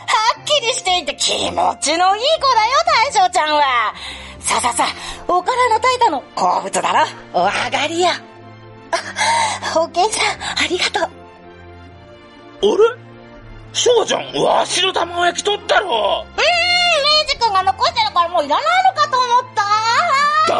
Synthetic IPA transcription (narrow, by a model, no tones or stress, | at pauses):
hakʲːiɾʲiɕi̥t̪e̞it̪ːekʲʰḭmo̰t͡ɕinoiːkod̪ajo̞t̪aiɕoːt͡ɕãɰ̃βa | saːsasaokaɾano̞t̪ait̪ano̞ko̰ːbɯ̟t͡sɨd̪a̰ɾo | βa̰ɡaɾʲija | hokẽ̞ɰ̃ɕãaɾʲiɡat̪oː | oɾe | ɕoːt͡ɕã̰ŋβa̰ɕinot̪amaojakʲi̥t̪ot̪ːaɾoɯ̟̃meːʑikɯ̃ŋɡano̞koɕi̥t̪eɾakaɾamoːiɾanainokat̪oːmot̪ːa